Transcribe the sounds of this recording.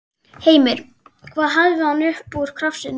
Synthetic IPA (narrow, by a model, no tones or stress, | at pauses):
heːjmɪɾ̥ | kʰvaːðɦaðvɪhanʏhpuʏɾ̥kʰɾafsɪn